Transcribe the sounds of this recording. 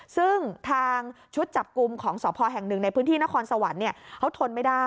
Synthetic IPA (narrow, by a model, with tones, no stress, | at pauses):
sɯ˥˩ŋt̪ʰaː˧ŋ | t͡ɕʰu˦˥t̪̚t͡ɕa˨˩p̚ku˧mkʰɔː˩˦ŋsɔː˩˦pʰɔː˧ɦɛ˨˩ŋnɯ˨˩ŋna˧jpʰɯː˦˥nt̪ʰiː˥˩na˦˥kʰɔː˧nsa˧wa˩˦nːi˥˩ɐkʰa˦˥wt̪ʰo˧nma˥˩jdaː˥˩